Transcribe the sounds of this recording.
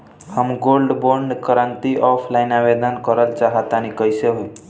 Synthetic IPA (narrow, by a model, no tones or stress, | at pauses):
həmɡolɖboɳɖkəɾənt̪iʔɔpʰlaɪnabed̪ənkəɾəlt͡ʃaɦat̪anikəjseɦoj